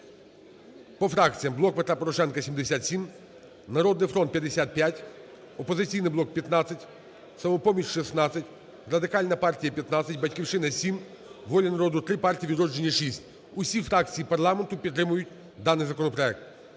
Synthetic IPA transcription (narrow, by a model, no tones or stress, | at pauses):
pɔfɾɑk̚t͡sʲijɐmblˠɔk̚pet̪ɾapɔɾɔʃɛnkɐsʲimd̪esʲat̪sʲim | nɐɾɔd̪nɪjfɾɔnt̪̚pʲjɐd̪esʲat̪̚pʲjatʲ | ɔpɔzɪt͡sʲijnɪjblɔk̚pʲjɐt̪nɑt͡sʲɐtʲ | sɐmɔpɔmʲiʃʲʃisnɑt͡sʲːɐtʲ | rɐd̪ɪkɑlʲnɐpɑrtʲijɐpʲjɐt̪nɑt͡sʲːɐtʲbɐtʲkʲiwʃɪnɐsʲim | ʋɔlʲɐnɐɾɔd̪ʊt̪ɾɪpɑrtʲijiʋʲid̪ɾɔd͡ʒd͡ʒe̞nʲːɐʃisʲtʲ | ʊsʲifɾɑkt͡sʲijipɐrlˠɑment̪ʊpʲit̪ːɾɪmʊjʊtʲ | d̪ɑnɪjzɐkɔnɔpɾɔɛk̚t̪̚